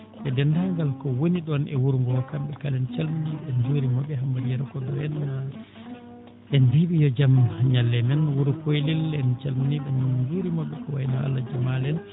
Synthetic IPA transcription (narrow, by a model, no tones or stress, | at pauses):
ʔɛdɛndaŋɡalkɔwoniɗɔnʔɛwuɾuŋɡɔkambɛkalɛnt͡ʃalminiɓɛnd͡ʒuɾimɔɓɛɦambadiɛɾakɔdɔjɛnːa | ʔɛndeɓijɔd͡ʒamɲalːɛmɛnwuɾukojlilɛnt͡ʃalmniɓɛnd͡ʒuɾimɔɓːɛkɔwajnaha̰lːad͡ʒamalɛn